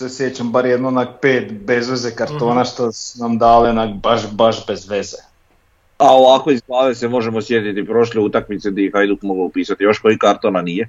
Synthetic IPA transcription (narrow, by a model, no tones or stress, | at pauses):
sesjet͡ɕambaɾjed̪nonapeːt̪be̞zʋezekaɾt̪o̞ːnaʃt̪asunamd̪aːlenabaʃbaʃbezʋeze | ao̞ʋakʋe̞izɡlaːʋe̞se̞mo̞ʒe̞mo̞sje̞t̪it̪ipɾo̞ʃleut̪akmit̪sed̪aixajd̪ukmo̞ɡaupiːsat̪ijo̞ʃko̞ikaɾt̪onanije̞